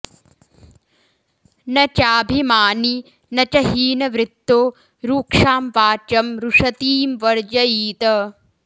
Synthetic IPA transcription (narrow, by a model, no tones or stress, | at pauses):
nɐt͡ʃaːbʱimaːni | nɐt͡ʃɐɦiːnɐʋɾɪt̪ːoː | ɾuːkʂaːmʋaːt͡ʃɐmɾuʂɐt̪iːmʋɐɾd͡ʒɐjiːt̪ɐ